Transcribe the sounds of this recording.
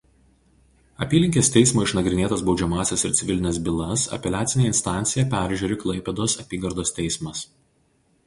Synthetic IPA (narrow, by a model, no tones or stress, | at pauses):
ɐpʲiːlʲɪŋʲkʲeːst̪ʲɛɪsmoːɪʃnɐɡɾʲɪnʲeːt̪ɐsbɒʊd͡ʒʲɛmɑːsʲɛsɪɾt̪sʲɪʋʲɪlʲɪnʲɛːsbʲɪlˠɐsɐ̰pʲɛlʲæːt̪sʲɪnʲeːɪnst̪ɑˑnʲt̪sʲɪjɛpʲæˑɾʲʒʲuːɾʲɪklˠɐɪpʲɛd̪oːsɐpʲiːɡɐɾd̪oːst̪ʲɛɪsmɐs